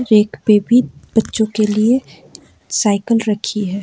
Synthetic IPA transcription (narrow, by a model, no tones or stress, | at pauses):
ɾeːkʰpeːbʱib̥ɐtːʃõkelie | saːɪkəlɾɐkʰiɦɛː